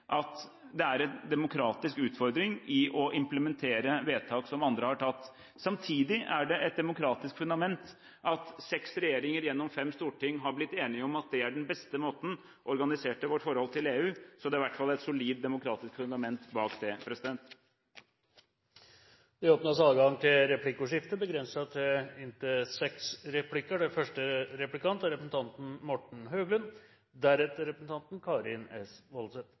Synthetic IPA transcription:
ʔɑt̪ | d̪ɛæɾɛnd̪ɛmʊkʰɾɑːt̪ɪskʉːt̪fɔɾd̪ɾɪŋɪʔɔʔɪmpləmɛnt̪ʰeːɾəʋeːt̪ʰɑːksɔmɑnd̪ɾəhɑʈʰɑt̪ː | sɑmt̪ʰiːd̪ɪʔæɖɛʔɛt̪̚d̪ɛmʊkʰɾɑːt̪ɪskfʉnd̪ɑmɛnt̪ | ʔɑt̪sɛksɾɛjeːɾɪŋəɾjɛnːɔmfɛmːst̪uːʈɪŋːɦɑɾblɪt̪ːeːnɪəɔmɑt̪̚d̪ɛæɖɛnbɛst̪əmoːt̪n̩ | ʔɔɾɡɑnɪseːʈəʋɔʈːfɔɾhɔlt̪ʰɪleːʉːsɔd̪ɛɪʋæʈːfɑlːæɛt̪sʊliːd̪ːɛmʊkʰɾɑːt̪ɪskfʉnd̪ɑmɛnt̪bɑːkd̪ɛpʰɾɛsɪd̪ɛnt̪ | d̪ɪɔːpnɑsɑlːəɡɑŋːt̪ʰɪlɾɛpʰlɪkːʊʂɪft̪əbəɡɾɛnsɑt̪ɪnt̪əsɛksɾɛpʰlɪkːəɖɛfœʂʈəɾɛplɪkɑnt̪ɑɾɛpɾəsn̩t̪ɑnt̪n̩mɔʈɳ̩ɦøːɡlən | d̪æɾɛt̪əɾɛpɾəsn̩t̪ʰɑnt̪n̩kʰɑːɾɪnɛsʋɔlsɛt̪

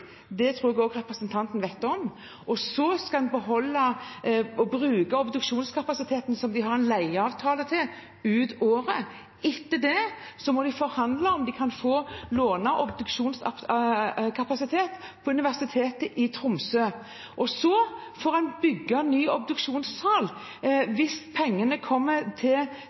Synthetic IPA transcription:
d̪ɛt̪ʰɾuːɾɛɡoːɡʁɛpɾəsənt̪ʰɑnt̪ənʋɛɪt̪ːəɔm | ɔsɔskɑɑnbəɦɔlːɑ | ɔbʁʉːkɑɔbd̪ʉkʂuːnskʰɑpɑsɪt̪ʰeːt̪nsɔmd̪ɪɦɑʁɛɪnlæɪɑːʋt̪ʰɑːlət̪ʰɪl | ʉːd̪oːɾə | ɪt̪ːəd̪ɛ | sɔmɔd̪ɪfɔɾhɑnd̪lɑɔmd̪ɪkʰɑnfoːloːnɑʔɔbd̪ʉkʂuːns | kʰɑpɑsɪt̪ʰeːt̪ | pʰɔʉnɪʋæʁsɪt̪ʰeːt̪əʔɪt̪ʰɾʊmsøː | ʔɔsɔ | fɔːʁɑnbʏɡːɑnyːɔbd̪ʉkʂuːnssɑːl | ʋɪspʰɛŋːənəkʰɔmːət̪ʰɪl

